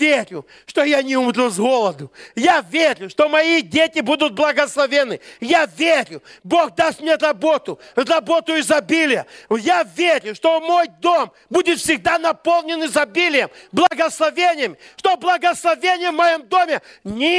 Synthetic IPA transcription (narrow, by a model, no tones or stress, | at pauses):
eɾʲʊ̰ | ʂt̪ojanʲɪumɾʲuzɣolˠəd̪ʊjavʲeɾʲʊʂt̪omɐidʲetʲɪbud̪ʊd̪̚blˠɐɡəslˠɐvʲenːɨjavʲeɾʲʊbo̞xd̪ast̪mnʲeɾɐbot̪ʊɾɐbo̞t̪ʊɪzɐbʲilʲɪjə̰javʲeɾʲʊʂt̪omojd̪om | budʲɪt̪fsʲɪɡd̪anɐpolˠnʲɪnɨzɐbʲilʲɪjəmblˠɐɡəslˠɐvʲenʲɪjəmʲʂt̪oblˠɐɡəslˠɐvʲenʲɪjəvmɐjomd̪o̞mʲɪnʲɪ